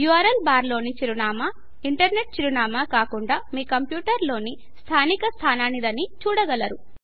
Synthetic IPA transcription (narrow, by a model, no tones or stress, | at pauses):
juɐɾɐlbaːɾlo̞ːnit͡ʃiɾunaːma | iɳʈɐɾne̞ʈ̚t͡ʃiɾunaːmaːkaːkuɳɖaːmiːkɐmpjuːʈɐɾlo̞ːni | st̪ʰaːnikɐst̪ʰaːnaːnid̪ɐnit͡ʃuːɽɐɡɐlɐɾu